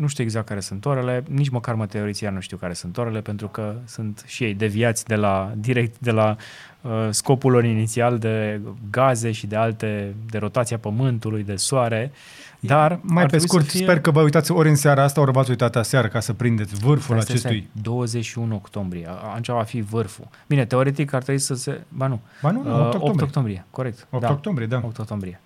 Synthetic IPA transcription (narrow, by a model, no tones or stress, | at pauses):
nuʃt̪iue̞ɡzakt̪̚kaɾe̞sunt̪oɾe̞le̞nit͡ʃməkarmət̪e̞oɾit̪sianuʃt̪iuwkaɾe̞sunt̪oɾe̞le̞pe̞nt̪ɾukəsunt̪ʃije̞jd̪e̞viat̪sʲd̪e̞lad̪iɾek̚t̪d̪e̞la | əsko̞pulːo̞ɾinit̪siald̪e̞ɡaze̞ʃid̪e̞alt̪e̞d̪e̞ɾo̞t̪at̪siapəmɨnt̪ulujd̪e̞soaɾe̞ | d̪armajɾtpesikut̪isperkəvəujt̪at̪sʲoɾʲɨnseaɾəast̪aoɾəmat̪sujt̪at̪aseaɾəkasəpɾind̪et̪ʲvɨrfulat͡ʃt͡ʃesujd̪o̞wəze̞t͡ʃʃiunuo̞kt̪o̞mbɾijea̰nt͡ʃavafivɨrfṵb̥ine̞t̪e̞o̞ɾe̞t̪̬ikart̪ɾobuisəsebanubanuəoookt̪o̞mbɾijeko̞ɾe̞k̚t̪opd̪aokt̪ombɾied̪aop̚t̪okt̪o̞mbɾije